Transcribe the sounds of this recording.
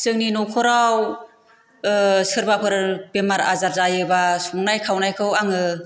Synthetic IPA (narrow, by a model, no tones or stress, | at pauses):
sɯŋninɔkʰɔɾaw | sɯɾbapʰɯɾbemaɾa̰zaɾzajɯbasuŋnajkʰawnajkʰɯwaŋɯ